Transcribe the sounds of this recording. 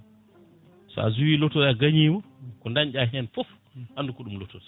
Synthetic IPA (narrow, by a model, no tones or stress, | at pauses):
sɔ̰a̰zuwiːlɔtɔaɡaɲiːmɔkɔndaɲɟaɦɛnfɔf | handukɔɗumlɔtodɛ